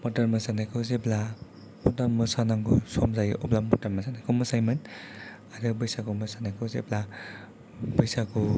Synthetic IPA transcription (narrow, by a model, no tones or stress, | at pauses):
mɔtaɾmɯsanajkʰɯwzepla | mɔtaɾmɯsanaŋɡusɔmzajɔplamːɔtaɾmasanajkʰɯwmɯsajmɯn | aɾɯbɯjsakumɯsanakʰɯwzḛpla | bɯjsaku